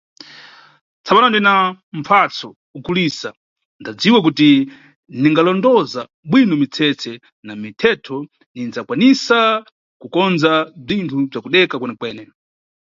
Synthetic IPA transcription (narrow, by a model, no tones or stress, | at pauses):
t͡sʰaɓanɔndinamfʰat͡sʰɔ | ukuliːsa | ndad͡ziwak̬uti | niŋɡalɔndɔza | ɓwinɔmit͡sʰɛt͡sʰɛ | namitʰɛtʰɔ | nind͡zakwanisa | kukɔnd͡zab͡ʐintʰub͡ʐakuɗɛkakwɛnɛkwɛːnɛ